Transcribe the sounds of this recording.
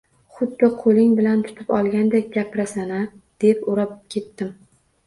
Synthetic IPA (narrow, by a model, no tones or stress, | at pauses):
χʊd̪ːɪqʰolɪŋbɪlant̪ʰʊ̥t̪ʰɪpɒlˠɡʲand̪ek̚ʲɡʲapʰɾasanad̪̥e̞pʊɾap̚kʲʰe̞t̪ːɪm